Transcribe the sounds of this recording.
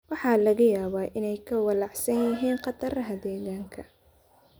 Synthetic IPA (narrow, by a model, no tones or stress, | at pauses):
wɑħɑːlɐɣɐjaːβaːʔɪnɛjkʰɐwɑlɑħsɐnjɪɦiːnqɑt̪ʰɐrɐɦɐd̪ɛːɣaːŋkʰɐ